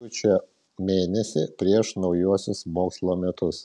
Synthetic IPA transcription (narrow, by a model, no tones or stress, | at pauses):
ʊt͡ʃʲoː | mʲeːnʲɛsʲɪpʲɾʲiɛʃnɒʊjuɔsʲʊsmoːkslˠoːmʲɛt̪ʊs